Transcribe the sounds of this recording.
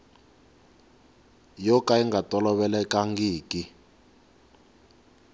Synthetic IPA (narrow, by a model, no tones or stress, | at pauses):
jɔkaiŋɡatʼɔlɔβɛlɛkaŋɡiːkʼi